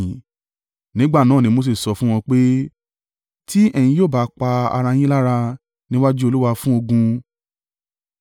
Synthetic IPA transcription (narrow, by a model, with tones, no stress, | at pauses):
nĩ˦ɡ͡ba˦˨nãː˨˦˨ĩ˧˦mo˧s̬e˦˨sɔ˧fũ˦w̃ɔ̃˧k͡pe˦ | ti˦ɛ˦˨j̃ĩ˧joː˦˨ba˨˦k͡pa˧a̰˧ɾa˧j̃ĩ˦la˦ɾa˧ | nĩ˦wa˦d͡ʒu˦o˧lu˦wa˧fũ˦o˧ɡũ˧